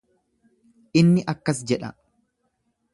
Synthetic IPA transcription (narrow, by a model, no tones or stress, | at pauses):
ʔɪnːɪʔɐkːɐsd͡ʒɛᶑɐ̰